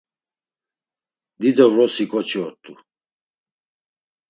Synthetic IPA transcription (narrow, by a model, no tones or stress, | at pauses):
d̪id̪ɔvɾɔsikʼɔt͡ʃʰiɔt̪ʼːu